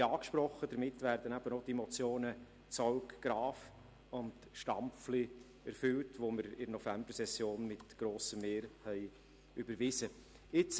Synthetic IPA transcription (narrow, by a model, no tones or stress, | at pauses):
ɑːkʃpɾɔχːəd̥əɾmɪtːvæːɾd̥̪ənæb̥ənodemɔt͡sjoːnə | t͡sɔʊkɡ̥ɾɑːf | ʊnd | ʃtɑmfli | æɾfʏltʋomɪɾɪɾnɔfæmb̥əɾsɛsjoːnmɪtɡ̥ɾoːsəmːeːɾhɛɪ | ʏbəɾʋɪsə | ɪt͡s